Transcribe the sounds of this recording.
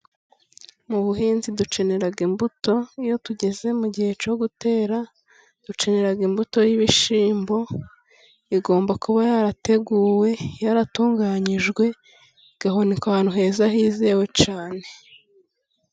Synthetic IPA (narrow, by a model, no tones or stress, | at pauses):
muβuɦiːnzidut͡ʃe̞ne̞ɾaɡimbuto̞ijo̞tuɟe̞ze̞muɟihe̞t͡ʃo̞ɡute̞ːɾa | d̥ut͡ʃe̞ne̞ɾaɡimbuto̞jiβiʃiːmbo̞ | iɡo̞ːmbakuβajaɾate̞ɡuːwe̞jaɾatuːŋɡaɲiʒɡwe̞ | ɡ̥aɦonikaaːnhuɦe̞ːzahiːzewe̞t͡ʃaːne̞